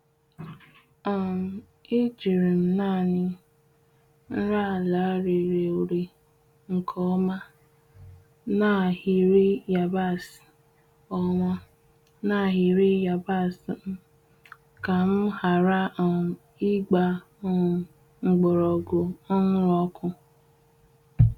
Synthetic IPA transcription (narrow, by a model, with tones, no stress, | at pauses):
a˨m̩˨ | i˦d͡ʒi˨ɾi˨m̩˨na˦˨nɪ˦ | n̩˦ɾa˦˨la˨˦ɾe˨ɾe˨o˨ɾi˨ | ŋ̩˨kʰɔ˦ma˦ | na˦˨hi˨ɾi˦ja˨ba˦˨si̥˨ | ɔ˨ŋʷɔ˦ | na˦˨ɦi˨ɾi˦ja˨ba˦˨sm̩˦ | ka˨m̩˦ha˨ɾa˦˨ | i˦ɡ͡ba˨˦˨ | ŋ͡m̩˨ɡ͡bɔ˨ɾɔ˨ɡo˨ɔ˦ŋʊ˦ɔ˦kʊ˦